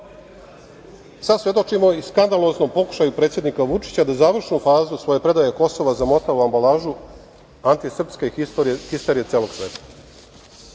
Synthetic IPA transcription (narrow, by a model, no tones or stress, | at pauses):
sasʋje̞d̪o̞t͡ʃimo̞iskand̪alo̞zno̞mpo̞ku̥ʃajupɾet̪sʲjed̪nikaʋut͡ʂi̥t͡ɕad̪azaːʋr̩ʃnufaːzusʋo̞je̞pɾe̞d̪ajeko̞so̞ʋazamo̞t̪auambalaːʒu | ant̪isr̩pske̞oɾihist̪eɾije̞t̪eːlo̞ɡ̥sʋe̞ːt̪ḁ